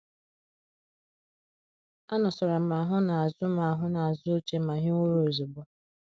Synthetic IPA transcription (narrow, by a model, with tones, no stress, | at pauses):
a˦nɔ˨sɔ˨ɾa˨m̩˦˨˦a˨ɦʊ˦na˨a˨zʊ˦ma˨a˨ɦʊ˦na˨a˨zʊ˦o˦t͡ʃe˦ma˨ɦi˦ŋo˦ɾo˦˨zi˨bɔ˦